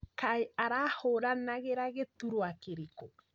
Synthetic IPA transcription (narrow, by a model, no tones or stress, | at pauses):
kaiaɾahoɾanaɣeɾaɣet̪uɾoakeɾiko